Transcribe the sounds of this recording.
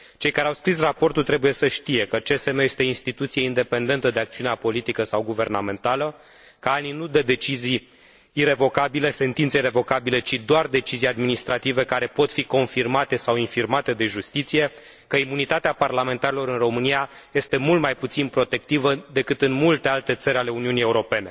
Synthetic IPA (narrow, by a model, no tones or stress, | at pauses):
t͡ʃe̞jkaɾeawskɾis̬rapo̞rt̪ult̪ɾebuje̞səʃt̪ije̞kət͡ʃe̞semejest̪einst̪it̪ut̪sijeind̪e̞pe̞nd̪e̞nt̪əd̪eak̚t̪siuneapo̞lit̪ikəsawɡuve̞rname̞nt̪alə | kaaninud̪ed̪e̞t͡ʃizijː | re̞vo̞kabile̞se̞nt̪int̪seire̞vo̞kabile̞t͡ʃid̪oard̪e̞t͡ʃizijad̪minist̪ɾat̪ive̞kaɾe̞po̞t̪fiko̞nfirmat̪e̞sawinfirmat̪e̞d̪e̞ʒust̪it̪sije̞ | kəimunit̪at̪eaparlame̞nt̪aɾilo̞ɾɨnro̞mɨnija | je̞st̪e̞mult̪majput̪sinpɾo̞t̪e̞k̚t̪ivəd̪e̞kɨt̪ɨnmult̪e̞alt̪e̞t̪səɾʲale̞uniunije̞uɾo̞pe̞ne̞